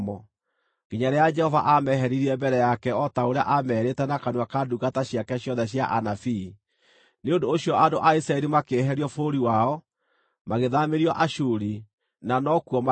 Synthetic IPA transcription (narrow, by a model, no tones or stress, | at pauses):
mɔ | kiɲaɾɛjad͡ʒɛhɔva̰ʔamɛɦɛɾiɾiɛmbɛɾɛjakɛɔtaoɾea̰ʔamɛɾetɛnakanwakaduɣataɕjakɛɕjɔðɛɕjaʔanafi | neondoːsjɔadoʔaisɾaɛɾimakeɦɛɾiɔfoɾiwaɔ | maɣeðameɾiɔʔaʃuɾi | nanɔkuɔma